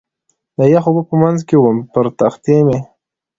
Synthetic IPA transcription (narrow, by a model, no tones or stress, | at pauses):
d̪ajaxobəpəmanzkewəmpəɾt̪axt̪eme